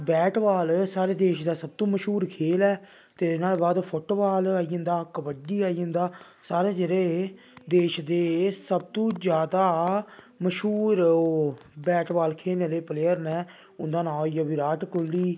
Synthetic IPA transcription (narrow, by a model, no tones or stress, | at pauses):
bɛːʈbaːlsaːɾeːd̪eːʃd̪aːsəb̚t̪õːməʃɦuːɾkʰeːlɛː | t̪eːɪnaːlːbaːd̪pʰʊʈːbaːlaːiːõnd̪aːkəbəɖiːaːiːõnd̪aː | saːɾeːd͡ʒeːɾeː | d̪eːʃd̪eːsəb̚t̪õːd͡ʒjaːd̪aː | məʃuːɾ | bɛːʈbaːlkʰeːlneːleːpleːəɾnɛː | ʊnd̪aːnaːjaːbiɾaːʈkʊlːiː